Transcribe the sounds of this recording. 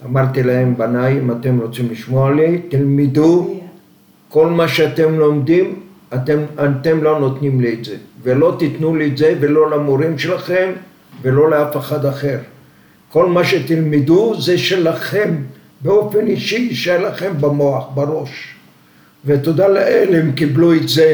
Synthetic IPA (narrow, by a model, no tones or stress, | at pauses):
amaʁt̪ilahembanajimat̪emʁot͡simliʃmoalit̪ilmid̪u | ko̞lmaʃeat̪emlo̞md̪im | at̪emat̪emlo̞not̪nimliːtzevelo̞t̪it̪nuliːtzevelo̞lamoɾimʃelaχe̞m | velo̞leafeχad̪aχe̞ʁ | ko̞lmaʃet̪ilmid̪uzeʃelaχe̞m | beo̞feniʃiːʃelaχembamoaχbaʁo̞ʃ | vet̪od̪aleʔelemkibluetze